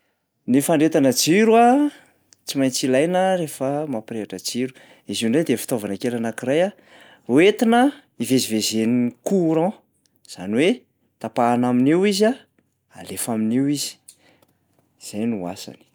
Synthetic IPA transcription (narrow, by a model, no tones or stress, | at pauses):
nifaɳɖ͡ʐet̪anəd͡ʒiɾua | t͡simajnt͡silajnəɾefəmapɾeaʈ͡ʂəd͡ʒiɾu̥ | iziuɳɖ͡ʐajd̪efi̥t̪ovanəkelanakiraja | wet̪inə | ivezivezenikuɾɔ̃ | z̥a̰niwe | t̪apaːnaminewiza | a̰lefaminewizi̥ | z̥ajnua̰sa̰ni̥